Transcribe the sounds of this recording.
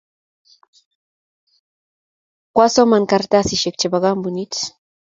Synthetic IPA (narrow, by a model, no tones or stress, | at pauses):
kwasomaŋkaɾt̪asɪʃekt͡ʃabaɢɑmbʊnit͡s